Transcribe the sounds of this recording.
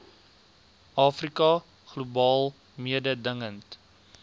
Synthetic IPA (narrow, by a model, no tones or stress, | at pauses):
ʔɑːfrikɐ | χlubɑːlˠ | miədədəŋənt